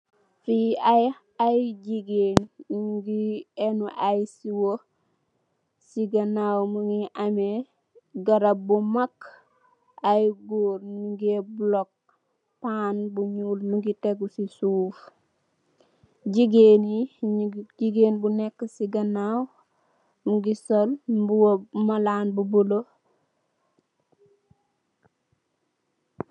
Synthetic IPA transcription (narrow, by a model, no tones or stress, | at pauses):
fiaj | ajɟiɡeːnɡiɛnuʔajsiwo | siɡɐnawmuŋɡiʔame | ɡɐɾɐbumakː | ajɡoːɾnuɡeblɔk̚ | panbuɲulnuɡiteɡusisuːf | ɟiɡeni | ɟiɡeːnbunɛkːəsiɡɐnaw | muɡisolbuwmalanbubulo